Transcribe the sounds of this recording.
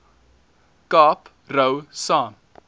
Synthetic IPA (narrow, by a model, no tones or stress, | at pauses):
kɑːp | rəwsaːm